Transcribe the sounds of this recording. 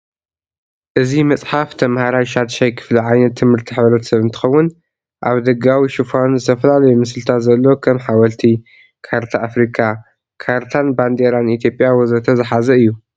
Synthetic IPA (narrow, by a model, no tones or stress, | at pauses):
ʔɨzimɐt͡sʼħaft̪ʰɐmhaɾajʃad̪ʃajkʰɨ̥fliʕajnɐt̪ʰːɨmhɨɾt̪ʰiħɨβɾɐt̪sɐβɨnt̪ʰɨ̥xɐwːʊn | ʔa̰βd̪ɐɡawiʃufanzɨt̪ʰɐfɐlalɐjomɨslɨt̪ʰat̪zɐlːo̞kʰɐmħawɐlt̪ʰi | kʰaɾt̪ʰaːfɾikʰa | kʰaɾt̪ʰanband̪eɾanit̪ʰjopʼjawɔzɾɐt̪ʰɐzɨħazɐɨjːu